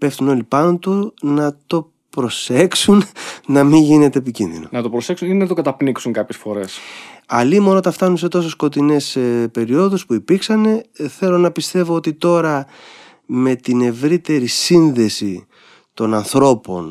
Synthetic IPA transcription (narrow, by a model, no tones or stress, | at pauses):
pe̞ft̪uno̞lipɐno̞t̪unɐt̪o̞ | pɾo̞se̞ksunnɐmiʝine̞t̪eːpicḭnðḭno̞̰nɐt̪opɾo̞se̞ksuninnɐt̪o̞ɡɐt̪ɐpniksuŋkɐpçe̞sfo̞ɾe̞sɐlimo̞not̪ɐft̪ɐnunse̞t̪o̞sosko̞t̪ine̞spe̞ɾio̞ðuspuipiɾksɐne̞θe̞lo̞nɐpist̪e̞vo̞ot̪it̪o̞ɾɐ | me̞t̪ine̞vɾit̪e̞ɾisinðe̞si | t̪o̞nɐnθɾo̞po̞̰n